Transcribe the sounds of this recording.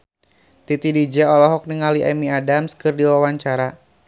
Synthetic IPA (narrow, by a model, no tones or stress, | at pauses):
t̪it̪idid͡ʒɛɔlɔɦɔk̚niŋaliʔamiadamskɨrdiwawaɲt͡ʃaɾa